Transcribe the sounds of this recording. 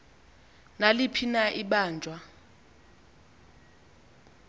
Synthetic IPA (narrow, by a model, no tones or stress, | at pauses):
nalipʰinaʔiɓaːnd͡ʒʱwa